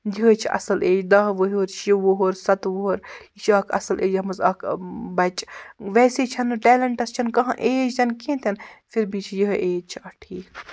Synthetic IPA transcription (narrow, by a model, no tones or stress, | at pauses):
jiɦət͡ʃʰiʔɐ̰sɐleːd͡ʒd̪ɐɦʋəɦiɦoːɾt͡ʃʰjiʋoɦoɾsɐt̪ʋuɦoɾit͡ʃʰɐːkʰɐ̰sɐlʔeːd͡ʒɐmɐzɐkʰbɐt͡ʃʋɛːseːt͡ʃʰɐnʈɛːlɐɳʈɐst͡ʃʰɐnkɐɦãʔeːd͡ʒzɐnkẽːt̪ʰɐnfʰiɾbit͡ʃʰijiɦʔeːd͡ʒt͡ʃʰiɐʈʰiːk